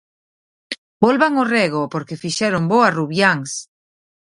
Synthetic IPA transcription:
bolβaŋoreɣopoɾkefiʃɛɾomboaruβjaŋs

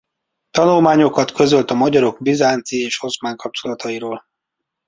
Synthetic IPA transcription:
t̪ɒnulmaːɲo̞kɒt̪kø̞zø̞lt̪ɒmɒɟɒɾo̞ɡbizaːnt̪sieːʃo̞smaːŋkɒp̚t͡ʃo̞lɒt̪ɒiɾoːl

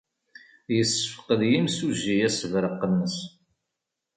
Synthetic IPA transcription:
jəsːəfə̥qəðjimsuʒijæsəvɾəqːənːəs

